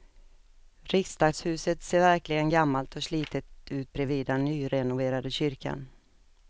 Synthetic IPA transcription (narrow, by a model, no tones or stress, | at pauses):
ɾɪkst̪ɑːɡ̪shʉ̟ːsət̪seːɾvæɾklɪɡənɡamːalt̪ʰɔsliːt̪ət̪ʉ̟ːt̪̚bɾɛviːd̪anyːɾɛnʊveːɾad̪əɕʏɾka̰n